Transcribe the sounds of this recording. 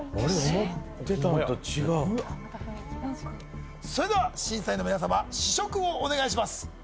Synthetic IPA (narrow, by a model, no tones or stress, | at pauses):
oɾeot̪eat̪ot͡ɕiɡa | so̞ɾe̞d̪e̞βaɕĩɰ̃saino̞mʲinas̬amaɕiɕo̞kɯ̟oːne̞ɡaiɕ̬imasɨ̥